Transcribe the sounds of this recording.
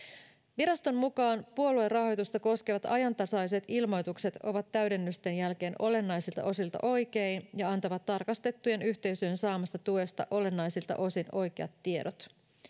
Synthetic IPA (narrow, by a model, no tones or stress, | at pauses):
ʋiɾɑst̪o̞mmukɑːnpuo̞lue̞rːɑɦo̞jt̪ust̪ɑko̞skeʋɑt̪ɑjɑnt̪ɑsɑliset̪ilmo̞jt̪ukse̞t̪o̞ʋɑt̪ːæɥde̞nːyst̪e̞njælk̟e̞ːnʔo̞le̞nːɑjsilt̪ɑ̰ʔo̞silt̪ɑ̰ʔo̞jke̞injɑɑnt̪ɑʋɑt̪ːɑrkɑst̪e̞t̪ːujenyçt̪e̞ysyønsɑːmɑst̪ɑt̪ue̞st̪ɑʔo̞le̞nːɑjsilt̪ɑ̰ʔo̞sino̞jk̟eɑ̰t̪ːie̞ɾot̪